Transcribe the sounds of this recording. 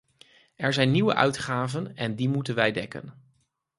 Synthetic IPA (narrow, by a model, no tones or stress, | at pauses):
ʔɛɹzɛjnːiwə̰ʔœ̰ɥtχaːvənɛndimutənʋɛjdɛkə̰n